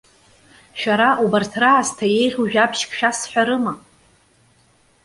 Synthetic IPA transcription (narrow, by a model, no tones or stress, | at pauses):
ʃᶣaɾaʔubartʰraːztʰaje̞jʁʲuʒᶣapʰʃkʰʼʃᶣasħʷᶣaɾɨma